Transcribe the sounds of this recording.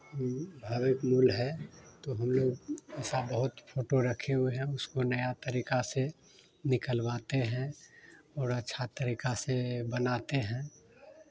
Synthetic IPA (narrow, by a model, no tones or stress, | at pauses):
hɐmbʱaːʋɪkmuːlɦɛt̪oɦɐmloːɡɛːsabəɦʊt̪pʰoːʈoɾɐkʰeɦueɦɛ̃ʊskonɐjat̪əɾiːkase | nɪkəlʋaːt̪eɦɛ̃ | ɔːɾətːʃʰat̪əɾiːkasebənaːt̪eɦɛ̃ː